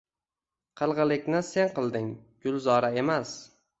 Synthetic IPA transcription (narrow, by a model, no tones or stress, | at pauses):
qʰɨlˠʁɨlˠɪkʲnɪse̞nqʰɨlˠd̪ɪŋɡ̥ʊlˠzɒɾae̞mas